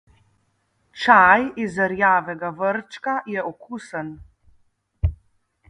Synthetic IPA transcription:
t͡ʃajizəɾjaːʋɛɡaʋəɾt͡ʃkajɛʔɔkuːsən

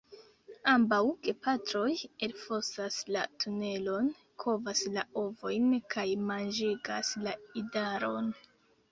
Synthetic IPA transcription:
ambawke̞patɾo̞jelfo̞saslatʰune̞lo̞n | kʰo̞vaslao̞vo̞jnkʰajmand͡ʒiɡaslaidaɾo̞n

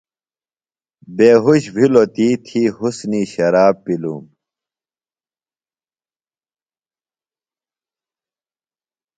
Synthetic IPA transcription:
beːɦuɕbʱilot̪iːt̪ʰiːhusniɕɐɾaːppːilṵm

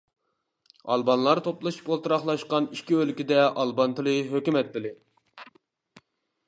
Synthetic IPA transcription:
ɑ̰lˠbɑnlˠɑɾt̪ʰoplˠɨʃi̥polˠt̪ɨɾɑχlˠɑʃqɑniʃkʲiølkʲid̪ɛʔɑlˠbɑnt̪ɨlˠɨɦøkʲymɛt̪̚ːɪlɪ

